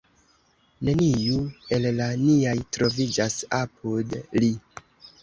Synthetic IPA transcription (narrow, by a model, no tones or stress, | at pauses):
ne̞nijue̞llaniajtɾo̞vid͡ʒasapʰudli